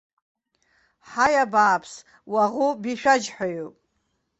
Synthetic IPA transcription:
ħajabaːpʰs | waʁubiʃᶣad͡ʒħʷᶣajupʼ

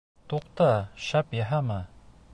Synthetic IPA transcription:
t̪uqt̪ɑʃæpjɑɦɑmɤ

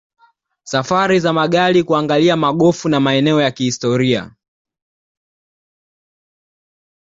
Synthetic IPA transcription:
safaɾizamaɠalikuaŋɡaliamaɠɔfunamaɛnɛɔjakihistɔɾia̰

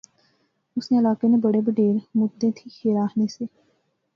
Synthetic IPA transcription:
ʊsneːɪlaːkeːnẽːbəɽeːbəɖeːɾmʊd̪ẽːt̪ʰiːkʰeːɾaːɦneːseː

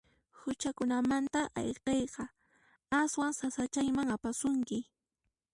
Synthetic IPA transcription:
hʊt͡ʃakʊnamant̪aʔɑ̰jqejqɑ | aswaŋsasat͡ʃajmaŋapasʊŋkɪ

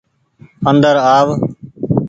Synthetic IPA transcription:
ənd̪əɾaːʋ

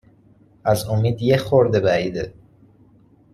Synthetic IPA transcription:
æzomiːd̪jexoɾd̪ebæɾiːd̪e

